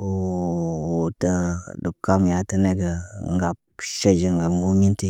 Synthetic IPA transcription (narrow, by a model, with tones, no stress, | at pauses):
o˨˦˨ | o˨tə˦du˨ka˦mja˨tə˦ne˦ɡə˨ŋɡa˨pʃe˦d͡ʒi˨ŋɡa˨o˦mi˦nti˦